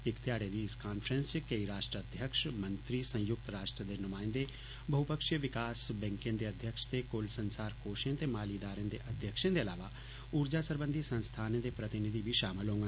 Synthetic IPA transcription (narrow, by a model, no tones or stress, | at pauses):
ɪkt̪jaːɽed̪iɪskaːnpʰɾə̃nst͡ʃkɐiɾaːʃʈɾəəd̪ʱjəkʃmɐ̃nt̪ɾisə̃j̃jʊk̚t̪ɾaːʃʈɾəd̪enʊmaːɪnd̪e | bʱɐɦupəkʃjəʋɪkaːsbɛ̃ːŋkẽnd̪eɐd̪ʱjəkʃt̪ekolsə̃nsaːɾkoːʃẽnt̪emaːlid̪aːɾẽnd̪eʔɐd̪ʱjəkʃẽd̪eɐlaːʋa | uːɾd͡ʒasəɾbə̃nd̪ʱisə̃nst̪ʰaːnẽd̪epɾɐt̪ɪnɪd̪ʱibʱiʃaːmɪlɦõːŋɡ